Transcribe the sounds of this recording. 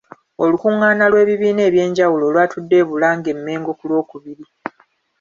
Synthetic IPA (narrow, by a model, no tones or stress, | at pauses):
o̞lukuŋːaːnalwe̞ːβiβiːne̞ːβje̞ːɲɟawulo̞ːlwaːtʰudːe̞ːβulaːŋɡe̞mːe̞ːŋɡo̞kulwo̞ːkuβiɾi